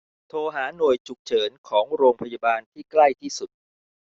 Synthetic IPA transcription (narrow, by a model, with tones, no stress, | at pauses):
t̪ʰoː˧ɦaː˩˦nu˨˩əjt͡ɕʰu˨˩k̚t͡ɕʰɤː˩˦nkʰɔː˩˦ŋɾoː˧ŋpʰa˧ja˧baː˧nt̪ʰiː˥˩kla˥˩jt̪ʰiː˥˩su˨˩t̪̚